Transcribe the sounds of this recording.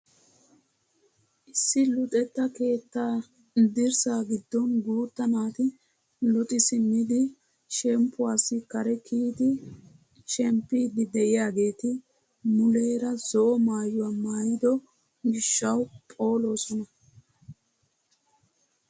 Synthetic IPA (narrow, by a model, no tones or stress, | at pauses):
ʔɪsːɪlʊt̪ʼɛt̪ːɐke̞ːt̪ːaː | d̪ɪɾsaːɡɪd̪ːɔnɡuːt̪ːɐnaːt̪ɪ | lɔt̪ʼɪsɪmːɪd̪ɪ | ʃɛmpːʊwaːsːɪkɐɾɛkʰiːt̪ɪ | ʃɛmpːiːd̪ɪd̪ɛʔɪjaːɡe̞ːt̪ɪ | mʊle̞ːɾɐzɔʔɔmaːjʊwamaːjɪd̪ɔ | ɡɪʃːɐwpʼo̞ːloːsɔnɐ